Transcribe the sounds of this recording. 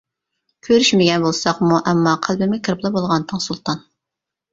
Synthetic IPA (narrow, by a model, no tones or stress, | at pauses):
kʲʰøɾyʃmɪɡʲɛnbolˠsɑχmuʔɛmːɑqʰælˠbɪmɪkʲʰəɾplˠɨbolˠʁɑnt̪ʰːɨŋsulˠt̪ʰɑn